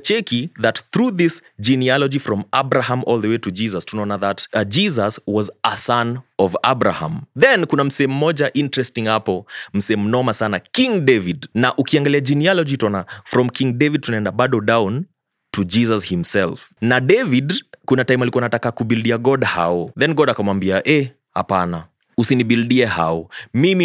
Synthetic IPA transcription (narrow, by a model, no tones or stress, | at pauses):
t͡ʃɛkiðatθɾuðisd͡ʒinialɔd͡ʒifɾɔmabɾahãmʔɔlˠðəwetud͡ʒizastunaɔnaðatd͡ʒizaswɔzasanɔvabɾa̰hã̰mðɛnkunam̩sɛɛmumːɔʄaʔintɹɛstĩŋhapɔm̩sɛɛmumnɔmasanakĩŋdevidnaʔukiaŋɡaliad͡ʒinialɔd͡ʒitɔnafɾɔmkʰĩŋdɛvid̚tunaɛndaɓaɗɔdawn | tʰud͡ʒisashimsɛlfnaɗɛvidkunataimalikuanatakakubildiaɡɔdha̰ɔðɛnɡɔdakamwambiaʔɛ | ha̰pana | usinibildiɛha̰ɔmimi